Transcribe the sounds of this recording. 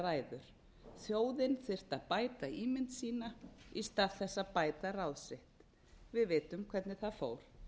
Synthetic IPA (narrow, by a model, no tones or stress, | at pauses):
raːjðʏɾ̥ | θjoːwðɪnθɪr̥t̪aðpaːjt̪aiːmɪnt̪siːnaist̪aːðθɛsːapaːjt̪arawðsɪht̪ | vɪðvɪːt̪ʏmkʰv̥ɛɾt̪nɪθaðfoːwɾ̥